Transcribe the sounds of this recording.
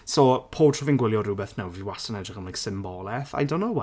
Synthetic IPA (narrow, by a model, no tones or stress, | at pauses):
sɔpʰoːtʰɔvinɡwɪlˠjɔɾubɛθnawviwasənɛdrɪχəmlajksɪmbɔlˠɛθa̰jdõnːow